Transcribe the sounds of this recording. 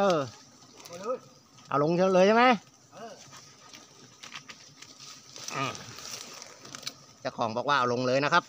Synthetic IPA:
ʔɤː˧˩ | ʔa̰˧˩wlo˧ŋt͡ɕʰlɤː˧t͡ɕʰa˥˩ma˦˥j | ʔaː˧˩ | t͡ɕa˨˩kʰɔː˩˦ŋbɔː˨˩k̚waː˧˩ʔa˨˧˩wlo˧ŋlɤː˧jna˦˥kʰa˦˥p̚

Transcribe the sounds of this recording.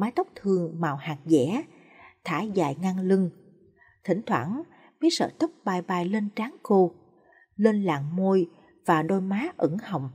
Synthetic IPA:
maː˨˦jt̪ə˦˥wk͡p̚t̪ʰɨ˨˩əŋmaː˨˩whaː˨˩k̚zɛ̰˧˥ | t̪ʰaː˧˩za̰ː˧˨jŋa˧ŋlɨ˧ŋ | t̪ʰï˧˩˦ŋ̟t̪ʰwa̰ː˧˩n | mi˨˦sə̰ː˧˩t̪ə˦˥wk͡p̚ɓaː˨˩jɓaː˨˩jle˧nt͡ɕaː˨˦ŋko˧ | le˧nla̰ː˨˩ŋmo˧j | vaː˨˩ɗo˧jmaː˨˦ʔə˧˩ŋhə̰˨wŋ͡m

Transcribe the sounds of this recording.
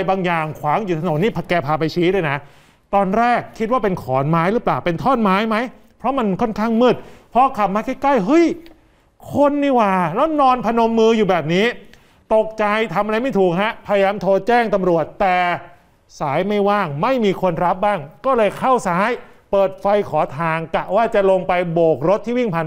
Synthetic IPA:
jbaː˧ŋjaː˨˩ŋkʰwaː˩˦ŋjuː˨˩t̪ʰa˧no˩˦nːiː˥˩pʰkɛː˧pʰaː˧˩p̬a˧jt͡ɕʰiː˦˥ɾaː˥˩jna˦˥ | t̪ɔː˧nɾɛː˥˩kʰːi˦˥waː˥˩pe˧nkʰɔː˩˦nmaː˦˥jɾɯː˦˥plaː˨˩wpe˧nt̪ʰɔː˥˩nmaː˦˥jma˦˥j | pʰɾɔ˦˥ma˧nkʰɔ˥˩nkʰaː˥˩ŋmɯ˥˩t̪̚pʰɾɔ˦˥kʰa˨˩p̚maː˧kʰa˥˩kla˥˩jɦɤ˦˥˩j | kʰo˧nːiː˧˥˩waː˧˩lɛ˦˥wnɔː˧npʰa˧no˧mːɯː˧juː˨˩bɛː˨˩p̚niː˦˥ | t̪o˨˩k̚t͡ɕa˧jt̪ʰa˧mʔa˧ɾa˧jma˥˩jt̪ʰuː˨˩k̚ɦa˦˥ʔpʰa˧ja˧jaː˧mt̪ʰoː˧t͡ɕɛː˥˩ŋt̪a˧mɾu˨˩ət̪ːɛː˨˩ | saː˩˦jma˥˩jwaː˥˩ŋma˥˩jmiː˧kʰo˧nɾa˦˥p̚baː˥˩ŋkɔː˥˩lɤː˧jkʰa˥˩wsaː˨˦˥j | pɤː˨˩t̪̚fa˧jkʰɔː˩˦t̪ʰaː˧ŋka˨˩waː˥˩t͡ɕa˨˩ʔlo˧ŋpa˧jboː˨˩k̚ɾo˧˦˥t̪ʰːiː˥˩wi˥˩ŋpʰa˧n

